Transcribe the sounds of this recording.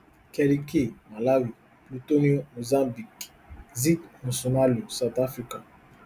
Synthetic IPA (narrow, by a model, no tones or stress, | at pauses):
kɛlikemalawi | plotoniomozãmbik | zikmũsonaliosatafika